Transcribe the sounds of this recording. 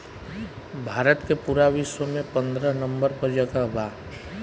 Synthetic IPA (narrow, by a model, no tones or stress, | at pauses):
bʱaːɾət̪kepuɾaʋiʃwəmẽpə̃nd̪ɾənə̃mbəɾpəɾd͡ʒəɡabaː